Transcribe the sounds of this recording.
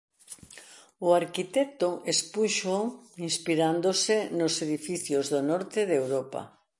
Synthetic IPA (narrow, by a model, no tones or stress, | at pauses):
ʊaɾkit̪ɛk̚t̪oʔespuʃoinspiɾand̪osɪnoseðifiθjozðonɔɾt̪ɪðewɾopa̰